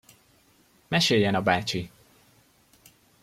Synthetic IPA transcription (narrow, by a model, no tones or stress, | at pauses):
mɛʃejːɛnɒbaːt͡ʃi